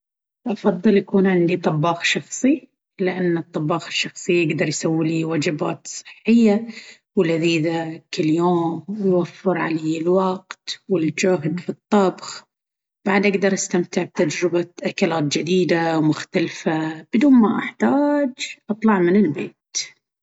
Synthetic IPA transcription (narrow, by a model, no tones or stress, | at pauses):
ʔɑfɑðˤːɨlʔakuːnʕɪnd̪it̪ˤɑbːɑːxʃɑxsˤi | lɪʔanːɨt̪ˤːɑbːɑːxɪʃːɑxsˤɨjʔɪɡd̪ɑɾˤjsawːiliwaːd͡ʒɪba̰ːt̪sˤɨ̥ħːɪjːa | wɪlaðiːðakɪljoːmwjwafːɪɾʕa̰leːɪlwɑqt̪wɪld͡ʒʊɦd̪fit̪ˤːɑbx | b̥aʕd̪ʔaɡd̪ɑɾˤʔast̪amt̪ɪʕb̚t̪ad͡ʒɾɪbaʔakalaːt̪̚d͡ʒɪd̪iːd̪awmʊxt̪alfab̥ɪd̪uːnmaʔaħt̪aːd͡ʒʔɑt̪ˤlɑʕmɪnɪlbeːt̪